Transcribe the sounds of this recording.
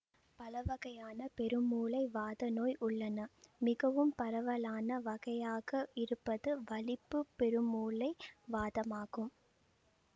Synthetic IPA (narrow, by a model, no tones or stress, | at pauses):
pɐlɐʋɐɣɐjaːnɐpɛɾɯmuːlɐɪʋaːðɐnoːjʔʊɭːɐnɐmɪɣɐʋɯmpɐɾɐʋɐlaːnɐʋɐɣɐjaːɣɐɪɾɯpːɐðɯʋɐlɪpːɯpːɛɾɯmuːlɐɪʋaːðɐmaːɣɯm